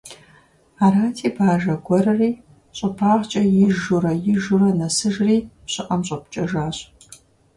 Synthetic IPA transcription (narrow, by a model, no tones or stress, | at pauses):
aːɾaːtʰiːbaːʒɐɡʷɔrɐriː | ɕʼɐpʰaːʁt͡ʃʼɐjɪʒʊɾɐjɪʒʊrɐnɐsɨʒriːpɕʼɪʔʼɐmɕʼɐp̚t͡ʃʼɐʒaːɕʼ